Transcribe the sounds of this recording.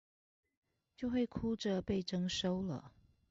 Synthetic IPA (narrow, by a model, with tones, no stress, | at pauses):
t͡ɕjo˥˧ʊxwe˥˩ɪkʰu˥ʈ͡ʂə˨pe˥˩ɪʈ͡ʂɤ˥ŋʂo˥ʊlə̰˨